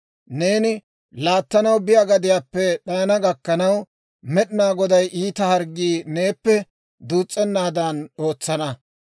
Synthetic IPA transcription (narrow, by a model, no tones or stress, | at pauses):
ne̞ːnɪ | laːt̪ːɐnɐwbɪjaɡɐd̪ɪjaːpːɛɗɐjnɐɡɐkːɐnɐw | mɛɗɪnaːɡɔd̪ɐjʔiːt̪ɐhɐɾɡiːne̞ːpːɛ | d̪uːt͡sʼːɛnːaːd̪ɐno̞ːt͡sːɐnɐ